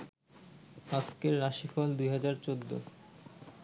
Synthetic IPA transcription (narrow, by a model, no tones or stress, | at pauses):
askeɾɾaʃifɔld̪ujɦad͡ʑaɾt͡ɕod̪ːo̰